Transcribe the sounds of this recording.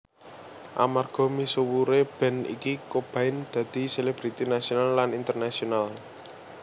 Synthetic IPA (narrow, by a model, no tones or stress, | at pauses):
ʔa̰marɡ̥ɔ̤misuwuɾeb̥ɛ̤nḭkikob̥a̤ɪnd̪̥ä̤d̪̥i̤seleb̥ɾit̪inasionalːanint̪ərnasional